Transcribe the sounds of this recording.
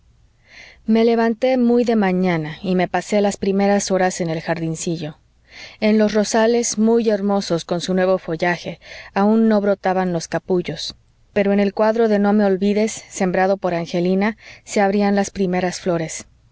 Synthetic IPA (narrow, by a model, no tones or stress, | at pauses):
me̞le̞βant̪e̞mujðe̞mãɲãnaime̞pase̞laspɾime̞ɾaso̞ɾase̞ne̞lxaɾðinsiʝo̞ | e̞nlo̞sro̞sale̞zmuje̞ɾmo̞so̞sko̞nsunwe̞βo̞fo̞ʝaxe̞aũnːo̞βɾo̞t̪aβanlo̞skapuʝo̞s | pe̞ɾo̞e̞ne̞lkwaðɾo̞ðe̞no̞me̞o̞lβiðe̞sːe̞mbɾaðo̞po̞ɾaŋxe̞linase̞aβɾianlaspɾime̞ɾasflo̞ɾe̞s